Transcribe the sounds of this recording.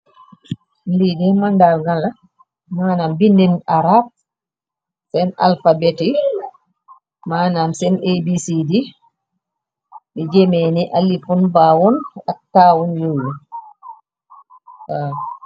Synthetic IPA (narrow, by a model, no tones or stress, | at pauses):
lidɛmandalŋɡala | maːnambindinaɾab̚ | sɛna̰lfabɛti | maːnamsɛnebisidi | ɓɛd͡ʒemeniʔalːifunbaːwɔnatːaːwɔnjowu | a